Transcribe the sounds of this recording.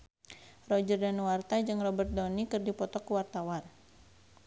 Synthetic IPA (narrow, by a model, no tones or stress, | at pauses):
rɔd͡ʒərdanuwart̪ad͡ʒɨŋrɔbərt̪̚dɔnikɨrdipɔt̪ɔkuwart̪awan